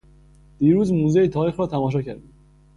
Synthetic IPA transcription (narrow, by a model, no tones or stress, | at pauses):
d̪̥iːɾuːzmuːzejet̪ʰɒːɾiːxɾɒːt̪ʰæmɒːʃ̬ɒːcʰæɾd̪i